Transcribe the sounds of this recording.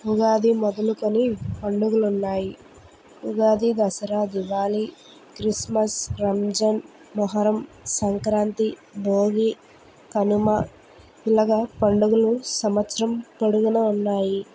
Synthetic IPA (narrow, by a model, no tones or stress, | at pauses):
uɡaːd̪imɔd̪ɐlukonipɐɳɖuɡulunːaːji | uɡaːd̪id̪ɐsɐɾaːd̪iʋaːli | kɾismɐsɾɐmd͡ʒɐn | mɐɦɐɾɐmsɐŋkɾaːnt̪ibʱoːɡi | kɐnumɐ | ilɐɡɐpɐɳɖuɡulusɐmʋɐt̪sɐɾɐmpɐɽuɡɐnɐunːaːji